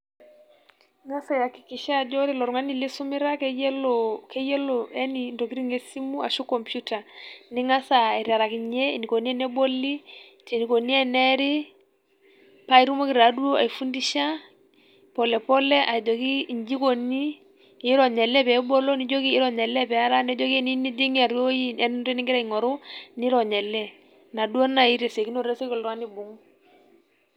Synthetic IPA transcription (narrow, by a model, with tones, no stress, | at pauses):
ŋa˦sa˨ja˨ki̥˨ki˨ʃa˦˨d͡ʒɔ˦ɾi˦lɔ˨ɾu˨ŋa˦ni˦li˦su˦mɪ˦ɾa˦kɛ˦jɛ˦lɔkʰe˦je˦lɔ˨ɛ˦ni˨ndɔ˨ki˦ɾi˦ŋe˦si˦mu˦a˨ʃu˦kːɔ˨mpju˦ta˨ni˦ŋa˦sa˨i˨ɾja˨ɾa˨ki˨ɲe˦˨ni˨ko˨ni˦ɛ˦nɛ˦bo˦li˦ | te˨ni˨ko˨ni˦ɛ˦˨nɛ˦ɾi˦ | pa˦i˦ɾu˦mɔ˦ki˨ɾa˨˦du˦o˦a̰˨i˨fu˦ndi˦ʃa˦ | pɔ˨lɛ˨pɔ˦lɛ˦ʔa˨d͡ʒo˨ki˦˨ɲd͡ʒi˦ko˨ni˦ | ɪ˦ɾɔ˨ɲɛ˨lɛ˦pɛ˨˦bo˦lɔ˦ni˦d͡ʒo˦ki˦ɪ˦ɾɔ˨ɲɛ˨lɛ˦pɛ˨a˦ɾa˦nɛ˦d͡ʒo˦ki˦ni˦ni˦di˦ŋ˦a˨ɾo˦i˦ɛ˦n˦nɾɛ˦ni˦ŋɡɪ˦ɾa˦i˨ŋɔ˨ɾʊ˦ni˦ɾɔ˨ɲɛ˨lːɛ˦ | na˨du˦o˦na˨i˦ɾe˨se˨ki˦n˦o˦˨ɾe˦se˦kɔ˨lɾwa˦ni˨bʊ˨ŋ